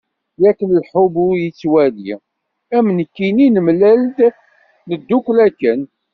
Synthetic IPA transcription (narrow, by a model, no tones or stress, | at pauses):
jækːənəlħʊbujət͡sːwælḭ | æmnəkːininəmlæld̪ | nəd̪ːuklækːən